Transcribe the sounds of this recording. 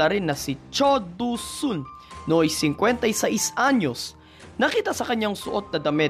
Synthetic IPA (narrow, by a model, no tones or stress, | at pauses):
ɐɾɪnːɐsɪt͡ʃod̪usʊnːoʔɐjsɪŋkwɛnt̪ɐjsaʔjsʔaɲos | nɐkiːt̪asɐkɐɲːaŋsʊʔot̪̚nɐd̪ɐmɛ